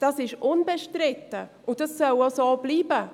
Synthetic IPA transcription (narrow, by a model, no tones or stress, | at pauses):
d̥ɑsɪʃʔʊnbɛʃtɾɪtəʔʊd̥ɑsːœlosoːb̥liːbə